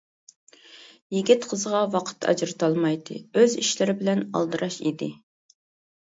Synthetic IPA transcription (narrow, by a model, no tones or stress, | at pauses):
jiɡʲit̪qʰəzəʁɑwɑqʰə̥t̪ʰːɑ̰d͡ʒɾɨt̪ʰɑlˠmɑjd̪ɨ̰øziʃlɪɾɪbɪlɛnɑ̰lˠd̪ɨɾʔɑʃḭd̪ɪ